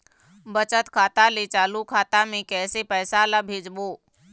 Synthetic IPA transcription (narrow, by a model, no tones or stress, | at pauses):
bət͡ʃət̪kʰaːt̪alet͡ʃaːlukʰaːt̪amẽkɛːsepɛːsalabʱed͡ʒboː